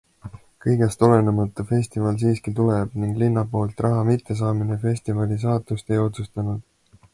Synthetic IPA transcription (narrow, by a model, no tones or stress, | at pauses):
kɤjɡe̞st̪o̞le̞nemɑt̪ːˑufe̞sʲt̪ivɑls̬iːskit̪uleb̥niŋɡ̥linːɑpo̞ːlt̪ˑrɑɦɑmit̪ːˑe̞s̬ɑːminefe̞sʲt̪ivɑlis̬ɑːt̪ːˑust̪e̞jo̞t̪sust̪ɑnud̪̥